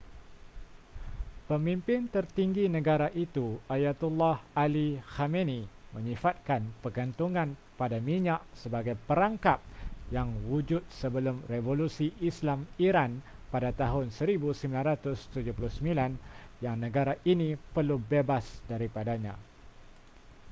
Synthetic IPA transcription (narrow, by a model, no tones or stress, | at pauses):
pəmimpɪnt̪ərt̪iŋɡinə̃ɡaɾaʔit̪uajat̪ulːahalixamenimə̃ɲifat̪̚kanpəɡənt̪uŋãn | padamiɲaʔsəbaɡajpəɾaŋkap̚jaŋwud͡ʒʊt̪̚səbəlʊmrevolusiʔːslamiɾan | padat̪aɦʊnsəɾibusəmbilanɾat̪ʊst̪ud͡ʒupulʊhsəmilanjaŋnə̃ɡaɾaʔinĩpərlubebasdaɾipadaɲã̰